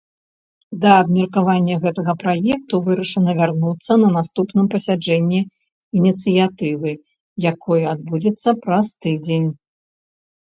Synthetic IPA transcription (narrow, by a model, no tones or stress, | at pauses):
d̪ɐːbmʲɐrkavanʲːɐɣɛt̪ɐɣɐpɾajɛk̚t̪uvɨɾɐʂɨnɐvʲarnut̪sːɐnɐnast̪upnɨmpɐsʲad͡ʐɛnʲːɛ | inʲit̪sɨjat̪ɨvɨ | jakʰɔjɐad̪̚bud͡zʲɛt̪sːɐpɾɐst̪ɨd͡zʲenʲ